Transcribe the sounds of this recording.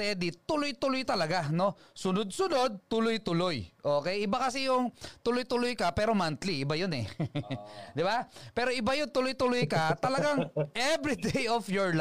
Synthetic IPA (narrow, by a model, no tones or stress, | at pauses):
ɛd̪it̪ʊlojt̪ʊlojt̪ɐlɐɡano̞sʊnod̪̚sʊno̞d̪̚t̪ʊlojt̪ʊlojʔoːkɛjɪbakɐsɪjʊŋt̪ʊlojt̪ʊlojkɐpɛːɾomant̪liʔɪbajʊnɛ | d̪ɪbapɛːɾoʔɪbajont̪ʊlojt̪ʊlojkɐt̪ɐlɐɡaŋʔɛvɹid̪ejʔofjoɹl